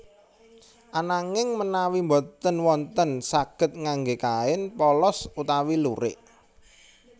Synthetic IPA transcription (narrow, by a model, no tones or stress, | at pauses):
ʔanaŋɪŋmənawimbɔt̪ənwɔnt̪ənsaɡ̥ə̤t̪̚ŋaŋɡekaɪnpɔlɔsut̪awiluɾɪʔ